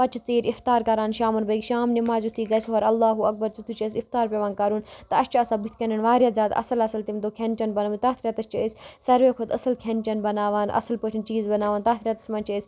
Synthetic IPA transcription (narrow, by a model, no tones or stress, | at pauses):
ɐt͡ʃʰɐt͡siːɾift̪aːɾkɐɾaːnʃaːmɐnbɐɡʃaːmnimaːzut̪ʰiːɡɐsɦoːɾɐlːaːɦuɐk̚bɐɾt͡sut̪ʰut͡ʃɐsift̪aːɾpʲeʋaːnkɐɾuːnt̪ɐɐst͡ʃuɐsaːbut̪ʰkɐnɐnʋaːɾjaːzʲaːd̪ɐ̰sɐlɐsɐlt̪imd̪oːkʰent͡ʃɐnbɐnɐʋut̪aːt̪ʰɾʲaːt̪ɐst͡ʃɐəsʲsɐɾʋeːkʰot̪ɐsɐlkʰent͡ʃɐnbɐnaːʋaːnʔɐ̰sɐlpət͡ʃʰint͡ʃiːzbɐnaːʋaːnt̪aːt̪ʰɾʲaːt̪ɐ̥smɐnt͡ʃɐsʲ